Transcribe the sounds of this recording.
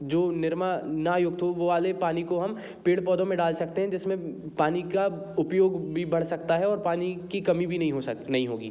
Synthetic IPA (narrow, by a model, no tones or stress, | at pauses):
d͡ʒoːnɪɾmanajʊɡ̚t̪ʰoʋoʋaːlepaːnikoɦɐm | peːɽpɔːd̪õmẽɖaːlsɐk̚t̪eɦɛ̃d͡ʒɪsmẽpaːnika | ʊpjoːɡbʱibɐɽ̤sɐkt̪aɦɛɔːɾpaːnikikɐmibʱinɐɦĩɦonɐɦĩɦoːɡḭː